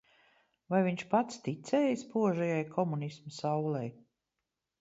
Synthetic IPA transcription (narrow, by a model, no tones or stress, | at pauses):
vajviɲʃpat̪st̪it̪sɛːjispuɔʒɛjajkʰɔmunismasawlɛj